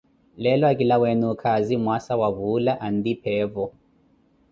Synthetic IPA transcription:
lɛlɔakilawɛnukʰazimwasawaβulaʔandipʰɛːvɔ

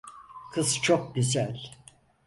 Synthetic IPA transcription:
kʰɯzt͡ʃʰok̚ɟyzælʲ

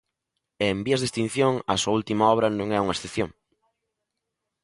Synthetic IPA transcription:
embiɐzðest̪ĩn̟θjoŋɐ̰suɐult̪imɐɔβ̞ɾɐnõŋɛuŋɐesθeθjoŋ

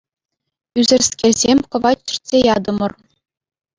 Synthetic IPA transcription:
yzʲɘ̆rʲsʲkʲerʲzʲemʲkɤ̆ʋɑt͡ɕĭ̥rʲtʲsʲejɑd̪ɤ̆mɤ̆r

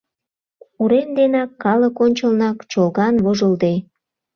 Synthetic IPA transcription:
uɾend̪enɑkːɑləkonʲt͡ɕəlnɑkt͡ɕolɣɑnβoʒəld̪e

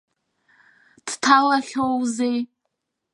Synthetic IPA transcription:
d̥tʰalaχʲowzej

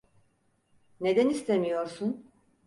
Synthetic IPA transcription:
ne̞d̪ænist̪ʰe̞mijo̞ɾsun

